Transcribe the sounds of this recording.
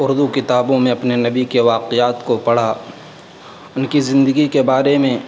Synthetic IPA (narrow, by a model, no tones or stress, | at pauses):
ʊɾd̪ukɪt̪aːbõmẽɐpnenɐbikeʋaːqejaːt̪kopɐɽ̤a | ʊnkizɪ̃nd̪əɡikebaːɾemẽ